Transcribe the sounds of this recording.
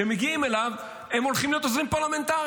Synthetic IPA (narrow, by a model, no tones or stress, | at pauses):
emeɡiime̞lav | emolχimlijot̪ozʁimpaʁlame̞nt̪aʁ